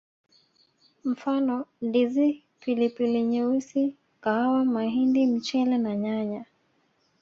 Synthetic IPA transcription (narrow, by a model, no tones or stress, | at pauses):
m̩fanɔndizi | pilipiliɲɛusi | kahawamaɦindim̩t͡ʃɛlɛnaɲaɲa